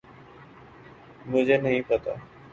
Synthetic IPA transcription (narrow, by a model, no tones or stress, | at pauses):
mʊ̃ɦd͡ʑeːnəɦĩpət̪a̰ː